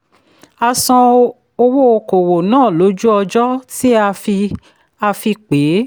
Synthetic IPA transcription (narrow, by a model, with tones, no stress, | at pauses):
a˧sɔ̃˧ | o˧wo˦o˧ko˨wo˨nãː˦˨lo˨˦d͡ʒu˦ɔ˧d͡ʒɔ˦ti˦a˧fi˧ | a˧fi˧k͡pe˨˦